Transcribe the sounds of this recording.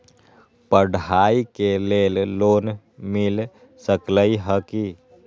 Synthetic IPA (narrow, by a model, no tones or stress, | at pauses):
pəɖaikelelloːn | mil | səkləiɦəki